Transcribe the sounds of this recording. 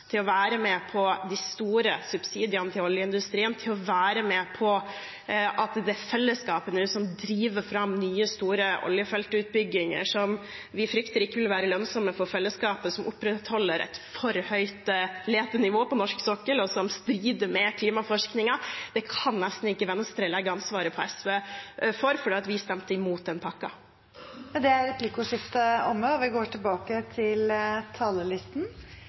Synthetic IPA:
t̪ʰɪlɔʋæːɾəmɛpʰɔd̪ɪst̪uːɾəsʉbsiːd̪ɪənət̪ʰɪlɔljəɪnd̪ʉst̪ɾiːənt̪ʰɪlɔʋæːɾəmɛpʰɔ | ʔɑt̪d̪ɛɛfɛlːəskɑːpənəʉsɔmd̪ɾiːʋəɾfɾɑmːnyːəst̪uːɾəʔɔ̰ljəfɛlt̪ʉːt̪̚bʏɡːɪŋə̰ʂɔm | ʋɪfɾʏkt̪əɾɪkːəʋɪlʋæːɾəlœnsɔməfɔɾfɛlːəskɑːpəsɔmʔʊpːɾɛt̪hɔlːəɾʔɛ̰t̪fɔɾhœʏt̪leːt̪ənɪʋoːpɔnɔʂksɔkːəlɔsɔmst̪ɾiːd̪əɾmɛkʰliːmɑfɔʂknɪŋɑd̪̥ɛkʰɑnnɛst̪n̩ɪkːəʋɛnst̪ɾəlɛɡːəɑnsʋɑːɾəpʰɔɛsʋeːfɔɾfɔɖiːɑt̪ʋɪst̪ɛmt̪əɪmuːt̪̚d̪ɛnpʰɑkːɑ | d̪ɛæɾɛpʰlɪkʊʂɪft̪əɔmːəɔʋɪɡoːʈʰɪlbɑːkət̪ʰɪlt̪ʰɑːləlɪst̪n̩

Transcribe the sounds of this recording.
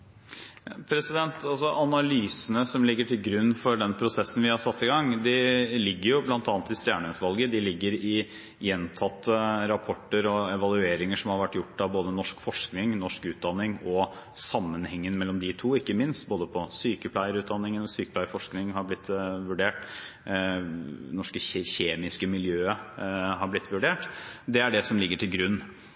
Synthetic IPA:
pʰɾɛsɪd̪ɛnt̪ɑlsɔʔɑnɑlyːsənəsɔmlɪɡːəʈʰɪlɡɾʉnːfɔɖɛnpʰɾʊsɛsːən̩ʋɪhɑsɑt̪ːɪɡɑŋd̪ɪlɪɡːəɾjʊblɑnt̪ɑːnət̪ɪst̪jæːɳəʉt̪ʋɑlɡəd̪ɪlɪɡːəɾɪ | jɛnt̪ʰɑt̪ːəɾɑpʰɔʈːəɾɔɛʋɑlˠʉeːɾɪŋəʂɔmhɑɾʋæʈːjʊʈːɑʋboːd̪ənɔʂkfɔʂknɪŋnɔʂkʉːt̪̚d̪ɑnːɪŋɔ | sɑmːənhɛŋːənmɛlːɔmd̪ɪt̪ʰuːɪkːəmɪnst̪boːd̪əpʰɔsyːkəpʰlæɪəɾʉːt̪̚d̪ɑnːɪŋənɔsyːkəpʰlæɪəɾfɔʂknɪŋhɑɾblɪt̪ːʋʉɖeːʈ | nɔʂkəçeːmɪskəmɪljøːəɦɑɾblɪt̪ːʋʉɖeːʈd̪ɛæɖɛsɔmlɪɡːəʈʰɪlɡɾʉnː

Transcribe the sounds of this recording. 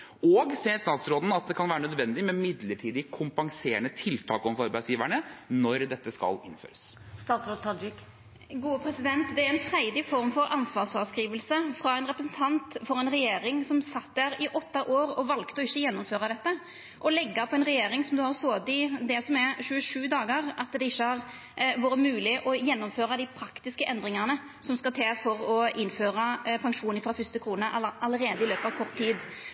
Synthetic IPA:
ɔːɡseːəɾst̪ɑːt̪sɾoːd̪n̩ɑt̪̚d̪ɛkʰɑnʋæːɾənœd̪ʋɛnd̪ɪmɛmɪd̪ləʈʰiːd̪ɪkʰʊmpɑŋseːɳət̪ʰɪlt̪ʰɑːkɔmfɑɾbæɪsjiːʋæɳənɔɾd̪ɛt̪ːəskɑ̰lɪnːfø̰ːɾəs | st̪ɑːt̪sɾoːd̪̚t̪ʰɑd͡ʒɪk | ɡuːəpʰɾɛsɪd̪ɛnt̪d̪ɛæɾɛnfɾæɪd̪ɪfɔɾmfɔɾʔɑnsʋɑːsʋɑːskɾiːʋəlsəfɾɑɛɪnɾɛpɾəs̬nt̪ʰɑnt̪fɔɾɛnɾɛjeːɾɪŋsɔmsɑt̪d̪æɾɪʔɔt̪ːɑʔoːɾɔʋɑlkt̪əɔɪçːəjɛnːɔmføːɾɑd̪ɛt̪ːə | ʔɔlɛɡːɑpʰɔɛnɾɛjeːɾɪŋsɔmd̪ʉhɑɾsoːd̪ɪd̪ɛsɔmɛʃʉːəʂʉːd̪ɑːɡəɾɑt̪d̪ɛɪçːəhɑɾ | ʋuːɾəmʉːlɪʔɔjɛnːɔmføːɾɑd̪ɪpʰɾɑkt̪ɪskəʔɛnd̪ɾɪŋɑnə | sɔmskɑt̪ʰɛfɔɾɔɪnføːɾɑpʰɑŋʂuːnɪfɾɑfʏst̪ɪkʰɾuːnəʔɑləɾeːd̪əɪløːpɑʋkʰɔʁt̪ʰːiːd̪

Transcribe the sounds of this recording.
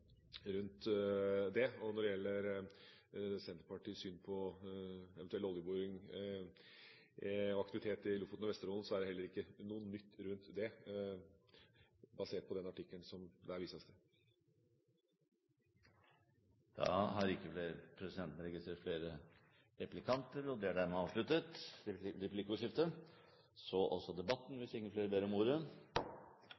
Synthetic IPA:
ɾʉnt̪ | d̪ɛɔnɔɖɛjɛlːəɾ | sɛnt̪əɾpʰɑʈiːsyːnpʰɔ | ɛɛnɛlɔljəbuːɾɪŋ | ɔɑk̚t̪ɪʋɪt̪ʰeːt̪ɪlʊft̪nɔʋɛst̪əɾɔːln̩sɔæɖɛhɛlːəɾɪkːənuːənːʏt̪ːɾʉnt̪d̪ɛ | bɑseːʈ̚pʰɔd̪ɛnɑʈɪkːəlnsɔmd̪ɛæɾʋiːsɑst̪ə | d̪̥ɑ̰ːɦɑɾɪkːəfleːɾəpʰɾɛsɪd̪ɛnt̪nəɾɛɡɪst̪ɾeːʈ̪fleːɾə | ɾɛplɪkʰɑnt̪əɾɔd̪ɛæɖæɾmɛɑːʋʂlʉt̪ət̪ɾɛplɪkːʊʂɪft̪ə | sɔʔɔsɔd̪ɛbɑt̪ːn̩ʋɪsɪŋəfleːɾəbeːɾɔmuːɾə

